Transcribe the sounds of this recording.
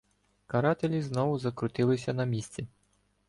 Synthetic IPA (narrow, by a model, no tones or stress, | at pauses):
kɐɾɑt̪elʲiznɔʋʊzɐkɾʊt̪ɪlˠɪsʲɐnɐmʲisʲt͡sʲi